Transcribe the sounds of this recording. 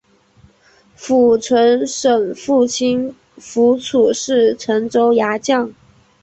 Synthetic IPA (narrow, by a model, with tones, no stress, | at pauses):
fu˨˩ʈ͡ʂʰwə˧˥nʂə˨˩ŋfu˥˩t͡ɕʰi˥n | fu˧˥t͡sʰu˨˩ʂɻ̩˥˩ʈ͡ʂʰə˧˥nʈ͡ʂo˥ʊja˧˥t͡ɕjɑ˥˩ŋ